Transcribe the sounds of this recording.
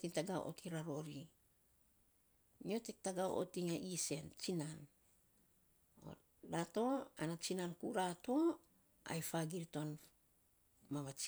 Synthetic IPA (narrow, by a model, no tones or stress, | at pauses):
tiŋtaɡaw̰ʔo̰tʰiɾaɾo̞ɾi | nio̞tek̚taɡawʔo̰tiŋaʔise̞nt͡ʃinan | o̰ | ɾato̞anat͡ʃinankuɾato̞ | a̰jfaɡiɾito̞n | maβat͡ʃ